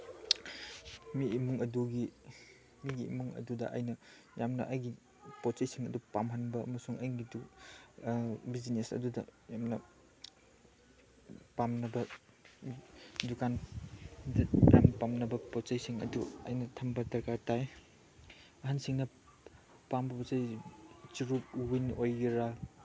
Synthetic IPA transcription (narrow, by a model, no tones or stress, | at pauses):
miːmuŋɐduɡi | miɡḭːmuŋɐ̰dudɐ̰ʔɐ̰jnɐ | jamnɐʔɐjɡi | pot͡ʃɐjsiŋɐ̰dupamɦɐnbɐɐ̰mɐsuŋɐjɡidu | bizinesɐ̰dudɐ̰jamnɐ | pamnɐbɐ | dukan | dɐja̰mpamnɐbɐpot͡ʃɐjsiŋɐ̰duɐ̰jnɐtʰɐmbɐdɐɾkataj | ɐɦansiŋnɐ | pambɐpɔt͡ʃɐjt͡ʃiɾup̚winʔojɡiɾa